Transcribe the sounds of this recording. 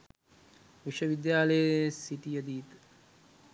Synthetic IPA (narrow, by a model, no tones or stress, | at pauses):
ʋiʃəʋid̪jaːləjesiʈijəd̪iːt̪